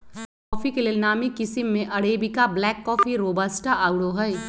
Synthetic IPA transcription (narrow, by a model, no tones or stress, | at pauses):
kkɔːfikeleːlnaːmikɪsɪmːẽʔɐɽeːbikablɛːkːɔːfiɾoːbasʈaʔaːʊɽoɦɐj